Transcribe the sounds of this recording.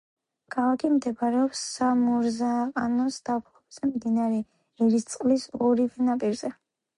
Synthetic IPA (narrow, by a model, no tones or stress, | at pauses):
kʰalˠakʰimd̪ɛbaɾɛɔpsːamɔɾzaqʼanɔsd̪̥apʰlɔbz̥ɛmd̪inaɾɛ | ɛɾist̪sʼqʼlisɔɾivɛnapʼiɾz̥ɛ